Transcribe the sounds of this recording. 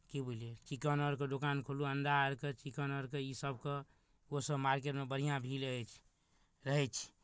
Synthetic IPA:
kibolijet͡ʃikənəɾked̪okankʰoluənd̪aɾket͡ʃikənəɾkeisəbke | osəbmaɾk̬eʈmebəɾ̤ijãbʱiləɦɛt͡ʃʰ | ɾəɦɛt͡ʃʰi̥

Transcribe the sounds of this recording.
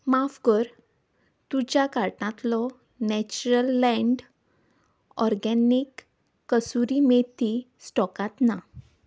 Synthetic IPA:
mafɡəɾ | t̪ud͡ʑjakaɾʈãt̪lɔ | nɛt͡ɕuɾəlːɛ̃ɳɖ | ɔɾɡɛnikː | əsuɾimet̪i | sʈɔkãt̪na

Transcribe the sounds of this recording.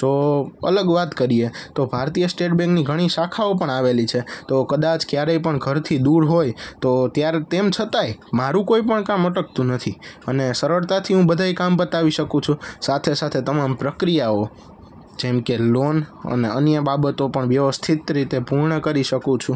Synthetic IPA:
t̪oə̰ləɡʋat̪kəɾiet̪obʱaɾt̪ijəsʈeʈbɛ̃ŋkniɡʱəɽ̃iʃakʰaop̬əɳaʋelit͡ʃʰet̪okəd̪at͡ʃkjaɾejpəɳɡʱəɾt̪ʰid̪uɾɦojt̪ot̪jaɾt̪emt͡ʃʰət̪ajmaɾũkoipəɳkaməʈək̚t̪ũnət̪ʰiənesəɾəɭt̪at̪ʰiɦũbəd̪ʱaikambət̪aʋiʃəkũt͡ʃʰũsat̪ʰesat̪ʰet̪əmampɾəkɾijao | d͡ʒɛmkelonə̰neənjəbabət̪opəɳʋjəʋəst̪ʰit̪ɾit̪epuɾɳəkəɾiʃəkũt͡ʃʰũ

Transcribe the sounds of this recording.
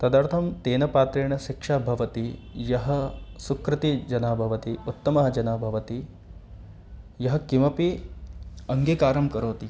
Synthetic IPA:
t̪ɐd̪aːɾt̪ʰɐmt̪eːnɐpaːt̪ɾeːɳɐʃikʂaːbʱɐʋɐt̪ijɐɦɐ̆sukɾɪt̪id͡ʒɐnaːbʱɐʋɐt̪iut̪ːɐmɐɦɐd͡ʒɐnaːbʱɐʋɐt̪i | jɐɦɐ̆kimɐpi | ɐŋɡeːkaːɾɐmkɐɾoːt̪i

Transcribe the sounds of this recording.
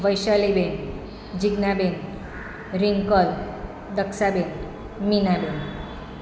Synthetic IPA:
ʋəjʃaliben | d͡ʑiɡnaben | ɾiŋkɔl | d̪əksaben | minaben

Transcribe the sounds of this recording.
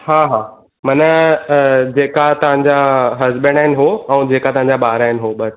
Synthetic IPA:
ɦaːɦaː | mɐnə | d͡ʑeːkat̪ɐʋ̤ãɲ̆d͡ʑaɦɐzbə̃ɳɖaːɪnɪ̆ɦoɛ̃ːd͡ʑeːkat̪ɐɦãɲ̆d͡ʑaɓaːɾaːɪnɪ̆ɦoɓɐs

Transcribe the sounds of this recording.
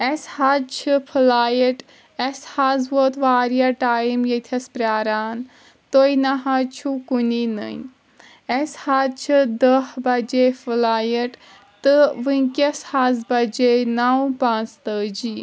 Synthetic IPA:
eshad̪̚t͡ʃʰipʰɨlaːjɐʈ | ɛshazʋot̪ʋaːɾjaʈaːjmjet̪ʰɐspɾʲaːɾaːn | t̪ojnaɦɐt͡ʃʰukuninə̰n | eshad̪̚t͡ʃʰid̪əhbɐd͡ʒepʰɨlaːjɐʈ | t̪ɨʋɨŋkʲɐshazbɐd͡ʒenawpãːnt͡st̪əːd͡ʒi

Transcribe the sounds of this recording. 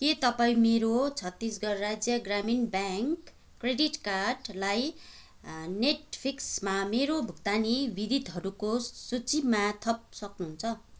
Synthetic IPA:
ket̪ʌpaĩmeɾot͡sʰʌt̪ːisɡʌrrad͡zjʌɡraminbaŋkː | reɖiʈkarɖlaj | neʈpʰiksmameɾobʱuk̚t̪anibid̪it̪ɦʌɾukosut͡simat̪ʰʌp̚sʌknuɦunt͡sʰʌ

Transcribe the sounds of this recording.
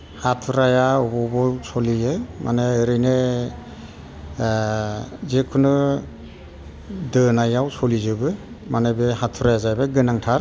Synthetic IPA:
hatʰuɾajaɔbɔbɔsɔlijɯmʔa̰neːɾɯjne | zekʰunɯ | dɯnajawsɔlizɯbɯ | manebehatʰuɾajazajbaɡɯnaŋtʰaɾ

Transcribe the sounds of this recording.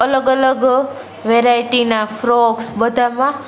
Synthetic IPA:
ələɡələɡ | ʋeɾajiʈinafɾoɡsbəd̪ʱamã

